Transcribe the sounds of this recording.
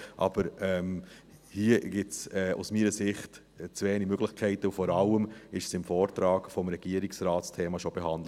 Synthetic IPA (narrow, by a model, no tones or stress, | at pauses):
ʔɑb̥əɾɛm | hiːəɡ̥ɪtt͡sɛːʔṵsmiːɾəsɪχt | t͡sveːnimøɡ̥lɪxkʰɛɪtəufɔɾɑləmɪʃəsɪmfɔːɾtɾɑːɡfɔmɾɛɡ̥iəɾɪksɾaːtstʰeːmɑʃob̥eɦɑnd̥lə